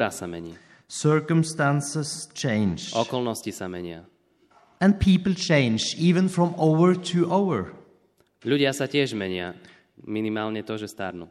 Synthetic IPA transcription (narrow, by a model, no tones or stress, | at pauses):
ɾasamɛɲiː | sɜɹkəmst̪ãnsəst͡ʃʰẽɪnd͡ʒɔkɔlnɔscisamɛɲɪa̰ | ɛ̃n̚pʰiːpəl̩ˠt͡ʃʰẽɪ̃nd͡ʒiːʋə̃nfɹɔ̃moʊəɹtʰuʔaʊəɹ | ʎuɟɪasacɪɛʒmɛɲɪa | minimaːlɲɛt̪ɔʒɛst̪aɾnṵ